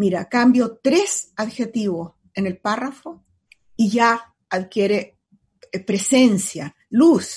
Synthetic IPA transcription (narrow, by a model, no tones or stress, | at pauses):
miɾakambjo̞t̪ɾesaðxet̪iβos | ene̞lparafo | iʝa | aðkje̞ɾe | pɾesensja | lus